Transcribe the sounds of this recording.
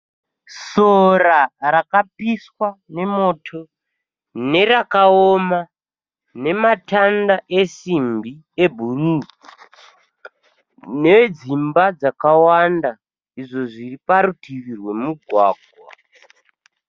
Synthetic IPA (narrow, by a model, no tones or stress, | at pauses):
sorarakapiswane̞mo̞tʰo̞ | ne̞rakaoma | ne̞matandaʔe̞simbi | e̞bʱuru | ned͡zimbad͡zakawanda | iʐo̞ʐiripaɾutʰirirwe̞muɡʱwaːɡʱwa̰